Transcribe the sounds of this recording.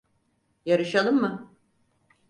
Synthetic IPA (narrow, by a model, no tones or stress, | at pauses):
jaɾɯʃalˠɯmːɯ